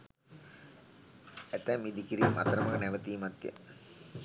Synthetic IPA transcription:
æt̪æmid̪ikiɾiːmʔa̰t̪ɐɾɐmɐkənæʋət̪iːmat̪jə̰

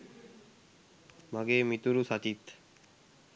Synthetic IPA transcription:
məɡeːmit̪uɾusat͡ʃit̪

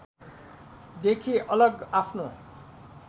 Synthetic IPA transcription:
d̪ekʰiʔʌlʌɡapʰno

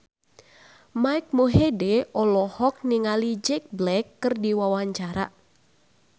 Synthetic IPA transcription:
maik̚muɦedɛʔɔlɔhɔk̚niŋalid͡ʒɛk̚blɛkːɨrdiwawaɲt͡ʃaɾa̰

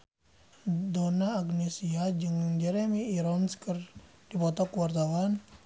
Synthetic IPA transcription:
donaːɡnesiad͡ʒɨŋd͡ʒɛɾɛmiːɾɔnskərd̥ipɔt̪ɔkuwart̪awan

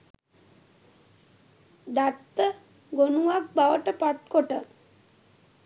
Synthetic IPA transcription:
d̪at̪ːə | ɡonuʋak̚baʋəʈəpat̪koʈə

